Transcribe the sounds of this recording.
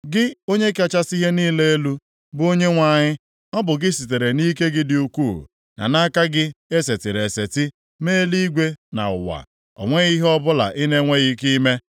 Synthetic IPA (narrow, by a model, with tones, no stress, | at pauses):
ɡɪ˦o˦ɲe˦ka˦t͡ʃa˦si˦ɦe˦niː˦le˦e˦lu˦ | bʊ˦o˦ɲe˦ŋʷa˦˨ɲɪ˦ | ɔ˦bʊ˨ɡɪ˦si˨te˨ɾe˨ni˦ke˦ɡɪ˦dɪ˨u˨kuː˦˨ | na̰˨na˦ka˦ɡɪ˦e˦se˨tɪ˨ɾe˨se˨tɪ˦ | me˦li˦ɡʷe˦na̰˨ʊ̰˨wa̰˨ | ɔ̰˨ŋʷe˦ɣi˦ɦe˦ɔ˦bʊ˦la̰˨ʔɪ˦ne˦ŋʷe˦ɣi˦ki˦me˦